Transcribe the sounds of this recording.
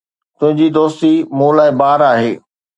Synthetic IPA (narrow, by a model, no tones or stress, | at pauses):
t̪ʊ̃ɦɪ̃ɲd͡ʑid̪oːst̪imũːlaːɪbaːɾaːɦeː